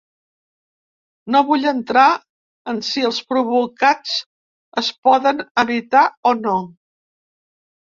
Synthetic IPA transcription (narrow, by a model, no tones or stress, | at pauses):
noβuʎənt̪ɾa | ənsiəlˠspɾuβukat͡s | əspɔðənəβit̪aɔno